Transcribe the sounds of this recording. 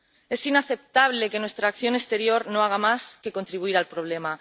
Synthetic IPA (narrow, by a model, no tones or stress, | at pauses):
e̞sinaθe̞p̚t̪aβ̞le̞ke̞nwe̞st̪ɾaːkθjo̞ne̞st̪e̞ɾjo̞ɾno̞aɣ̞amaske̞ko̞nt̪ɾiβuiɾalpɾo̞β̞le̞ma